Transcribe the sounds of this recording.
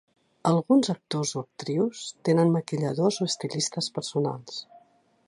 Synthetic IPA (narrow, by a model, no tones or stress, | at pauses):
əlˠɣunzək̚t̪ozoək̚t̪ɾiwst̪enənməkiʎəðozoəst̪ilist̪əspəɾsuna̰lˠs